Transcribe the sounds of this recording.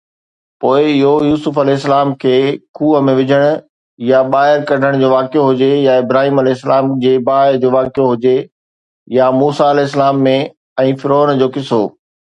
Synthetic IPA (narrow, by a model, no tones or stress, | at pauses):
poːɪɪɦojuːsʊfɐlɛɦɪs̬ːəlaːmkʰeːkʰuːəmẽʋɪd͡ʑʱəɽ̃ʊ̆ | jaɓaːɦɪɾkɐɖʱəɽ̃d͡ʑoːʋaːkjoɦʊd͡ʑejaɪbɾaːɦiːmɐlɛːɪsːəlaːmd͡ʑeːbaːɪd͡ʑoːʋaːkijoɦʊd͡ʑe | jamuːsaɐlɛːɪs̬əlaːmːẽ | ɛ̃ːfɪɾoːnd͡ʑoːkɪsoː